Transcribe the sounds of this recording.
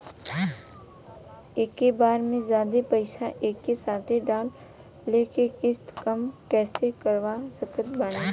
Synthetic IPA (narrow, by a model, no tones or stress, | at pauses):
eːkːebaːɾmẽzjaːd̪epəɪʃaʔeːkːesaːt̪ʰeɖaːlː | eːkekɪst̪kəmkɛːsekəɾʋasəkət̪baːɽ̃a